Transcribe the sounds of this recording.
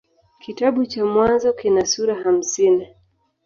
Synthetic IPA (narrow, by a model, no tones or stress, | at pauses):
kitaɓut͡ʃamwanzɔkinasuɾaham̩sini